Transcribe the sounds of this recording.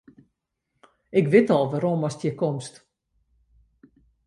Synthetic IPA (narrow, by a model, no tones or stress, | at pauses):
ɪkʋɪtɔlˠʋaɾomɔstjəkomst